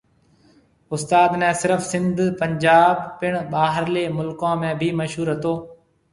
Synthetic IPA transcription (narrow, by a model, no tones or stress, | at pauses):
ʊst̪aːd̪mɛ̃ːsɪɾəfsɪ̃nd̪ʱpəɲd͡ʒaːbpɪɳ̃ɓaːɦəɾleːmʊlkãːmẽːbʱiːməʃɦuːɾɦət̪oː